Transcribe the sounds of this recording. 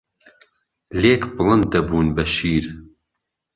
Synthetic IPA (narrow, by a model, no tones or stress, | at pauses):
leːkbɨlɨnd̪ɐbuːnbɐʃiːɾ